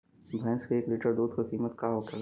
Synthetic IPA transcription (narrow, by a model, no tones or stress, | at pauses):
bʱɛ̃skieːkliʈəɾd̪uːd̪kokiːmət̪kaɦoka